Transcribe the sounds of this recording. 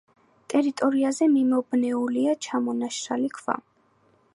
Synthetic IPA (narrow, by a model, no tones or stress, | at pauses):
t̪ʼɛɾit̪ʼɔɾiazɛmimɔbnɛuliat͡ʃʰamɔnaʃɾalikʰva̰